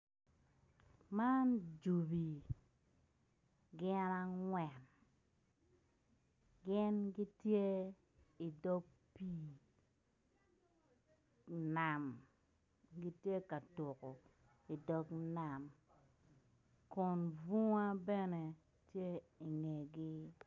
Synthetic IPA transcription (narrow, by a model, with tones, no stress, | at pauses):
ma˦nd͡ʒu˨bi˨ | ɡɪ˦na˦ŋwɛ˨n | ɡɪ˦nɡɪ˦tje˦ | i˨dɔ˦ɡ̚ | pi˦ | na˨m | ɡɪ˦tje˦ka˨tʊ˨kɔ˨ | i˨dɔ˦kna˨m | kɔ˨nvu˦ŋa˦bɛ˦nɛ˨ | tje˦i˨ŋe˨ɡɪ˦